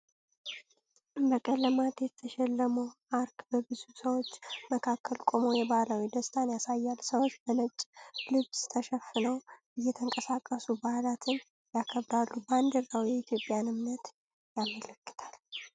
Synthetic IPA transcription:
ʔɨbəkʼəlːəmat̪jɛt̪ʰəʃɛlːəmoʔaɾkbəbɨzusəwo̞t͡ʃːməkʰakːəlkʼo̞mo̞jɛbalawid̪əst̪ʰʼanjasajːalsəwot͡ʃːbənət͡ʃʼlɨβst̪ʰəʃɛfːɨnəwbɨjːɛt̪ʰəŋkʼəsakʼːəsubahlat̪ʰɨn | jakʰəβd̪alːuband̪əɾawijɛit̪ʰjo̞pʼːjanɨmnət̪ | jamːələkːɨ̥t̪ʰal

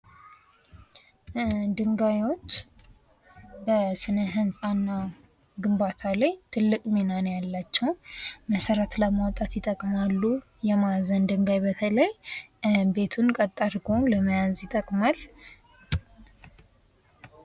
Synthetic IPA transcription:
d̪ɨŋɡajwo̞t͡ʃː | bəsɨnəɦɨnsʼanːa | ɡɨmbat̪ʰalajt̪ʰɨlːɨkʼmenanjalːat͡ʃːɛwməsəɾət̪ləmawɔt̪ʼat̪jɪt̪ʼəkʼmalːu | jɛmazənd̪ɨŋɡajbət̪ʰələj | be̞t̪ʰunkʼət̪ʼːaɾɡo̞nləməjazjɪt̪ʼəkʼmal

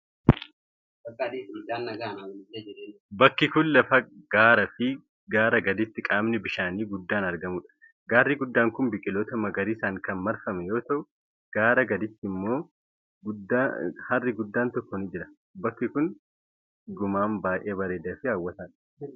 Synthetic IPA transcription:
bɐkːad̪iɡd̪aːnːɐɡaːnaɪlːɐd͡ʒɪɾeː | bɐkːɪkʊnlɐfɐɡ̥aːɾɐfɪ | ɡaːɾɐɡɐd̪ɪt̪ːɪkʼaːmnɪbɪʃaːniːɡʊd̪ːaːnɐɾɡɐmʊᶑɐ̥ | ɡaːrːiɡʊd̪ːaːŋkʊnbɪkʼɪloːt̪ɐmɐɡɐɾiːsaːŋkɐnmɐɾfɐmɛjo̞ːt̪ɐʔʊ | ɡ̥aːɾɐɡɐd̪ɪt̪ːɪmːo̞ː | ɡʊd̪ːahɐrːɪɡʊd̪ːaːnt̪ɔkːɔnɪd͡ʒɪɾɐ̥ | bɐkːɪkʊn | ɡʊmaːmbaːʔeːbɐɾe̞ːd̪ɐfɪaːwːɐt̪aːᶑɐ̥

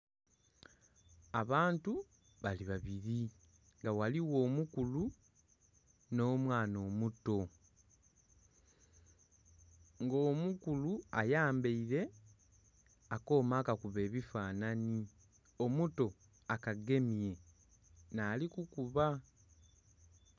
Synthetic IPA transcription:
aβaːntu | βaliβaβiɾi | ŋɡawaliwo̞ːmukulu | no̞ːmwaːno̞ːmuto̞ | ŋɡoːmukuluajaːmbeiɾe̞ | ako̞ːmaːkakuβe̞ːβifaːnani | o̞muto̞ | akaɡe̞mije̞ | naːlikukuβa

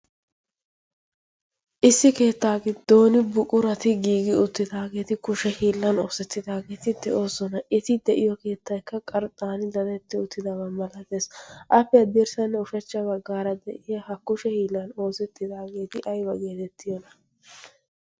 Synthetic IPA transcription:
ʔɪsːɪke̞ːt̪ːaːɡɪd̪̥o̞ːnɪbʊkʼʊɾɐt̪ɪɡiːɡɪʊt̪ːɪd̪aːɡe̞ːt̪ɪkʊʃɛhiːlːɐno̞ːsɛt̪ːɪd̪aːɡe̞ːt̪ɪd̪ɛʔo̞ːsɔnɐʔɪt̪ɪd̪ɛʔɪjɔke̞ːt̪ːɐjkːɐkʼɐɾt̪ʼːaːnɪd̪ɐnɛt̪ːɪʊt̪ːɪd̪ɐbɐmɐlɐt̪eːsʔɐpːɛɐd̪ɛɾsɐnːɛʊʃɐt͡ʃːɐbɐɡːaːɾɐd̪ɛ̰ʔɪjɐhɐkʊʃɛhiːlːɐno̞ːsɛt̪ːɪd̪aːɡe̞ːt̪ɪʔɐjbɐɡeːt̪ɛt̪ʰːɪjɔnɐ

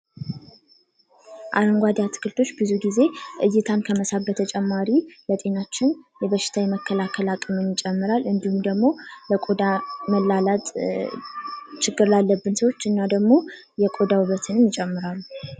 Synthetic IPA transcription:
ʔaɾɨŋɡʷad̪at̪ʰɨ̥kʰɨlt̪ʰo̞t͡ʃːbɨzuɡize̞ʔɨjːɪt̪ʰankʰəməsat̪̚bət̪ʰət͡ʃʼɛmːaɾilət̪ʼe̞nat͡ʃːɪnjɛβəʃːɪ̥t̪ʰajɛməkːəlakʰəlakʼɨmɨnjɪt͡ʃʼɛmːɨɾalɨnd̪ihumd̪əɡmo̞ləkʼo̞d̪aməlːalat̪ʼ | t͡ʃɪɡːɨɾlalːəbːɨnsəwo̞t͡ʃːɨnːad̪əɡmo̞ | jɛkʼo̞d̪awɨβət̪ʰɨnɨmjɪt͡ʃʼɛmːɨɾalːu

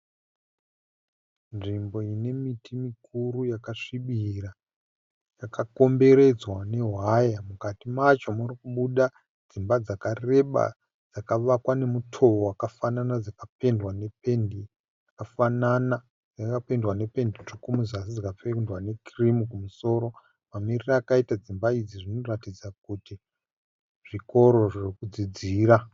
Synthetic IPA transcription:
nʐimbo̞ine̞mitʰimikurujakaʂiɓira | jakako̞mbe̞ɾe̞d͡zwane̞ɦwajamukatimat͡ʃomurikuɓuɗa | d͡zimbad͡zakare̞ɓa̰ | d͡zakaʋakwane̞mutʰo̞wowakafananad͡zakape̞ndwane̞pendi | akafanana | d͡zakapendwane̞pe̞ndit͡ʂokumuzasid͡zakap͡fendwane̞krimukumuso̞ɾo̞ | mamiriraːkaitad͡zimbaid͡ziʐino̞ratid͡zak̚uti | ʐ̥iko̞ɾo̞ʐirikud͡zid͡ziːɾa

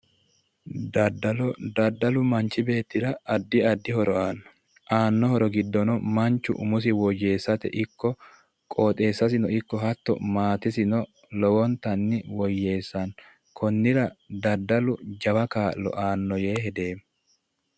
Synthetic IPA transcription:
d̪ɐd̪ɐlɔd̪ɐd̪ːɐlʊmɐnt͡ʃɪbe̞ːt̪ːɪɾɐːd̪ːɪɐd̪ːɪhɔɾɔʔanː | ʔaːnːɔhɔɾɔɡɪd̪ːɔnɔmɐnt͡ʃːʊ̰ʔʊmʊs̬ɪwɔje̞ːsːɐt̪ɛ̰ʔɪkːɔ | kʼɔːt̪ʼe̞ːsːɐsɪnɔɪkːɔɦɐt̪ːɔ̰maːt̪ɪsɪnɔ | lɔwɔnt̪ɐnːɪwɔjːe̞ːsːɐn | kʰɔnːɪɾɐd̪ɐd̪ːɐlʊd͡ʒɐwɐkaːlːɔ̰ʔaːnːɔjeːɦɛd̪e̞ːm

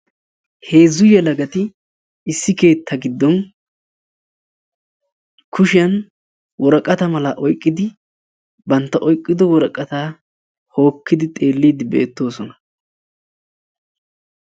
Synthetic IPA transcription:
he̞ːzːʊjɛlɐɡɐt̪ɪ | ɪsːɪke̞ːt̪ʰːɐɡɪd̪ːɔn | kʰʊʃɪjɐn | wɔɾɐkʼːɐt̪ɐmɐlɐʔɔjkʼːɪd̪ɪ | bɐnt̪ːɐʔɔjkʼːɪd̪ɔwɔɾɐkʼːɐt̪aː | ho̞ːkːɪd̪ɪt̪ʼe̞ːlːiːd̪ɪbḛːt̪ːo̞ːsɔnɐ

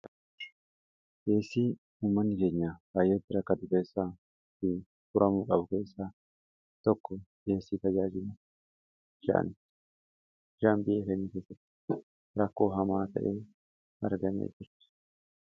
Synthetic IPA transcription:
ɡ̥e̞ːsːiː | uːmːɐnːɪke̞ːɲːaːbaːjːeːt̪ːɪɾɐkːɐt̪ʊke̞ːsːaː | t̪ɪ | fʊɾʔɐmuːkʼɐbʊke̞ːsːaː | t̪ɔkːɔɡe̞ːsːiːt̪ɐd͡ʒaːd͡ʒɪmu | ʃa̰ʔnɪt̪ | ʃaːmbɪʔeːkɛnːike̞ːsːɐt̪ːɪ̥ | ɾɐkːo̞ːɦɐmaːt̪ʰɐ̰ʔeː | hɐɾɡɐnḛːd͡ʒɪɾt̪ɪ̥

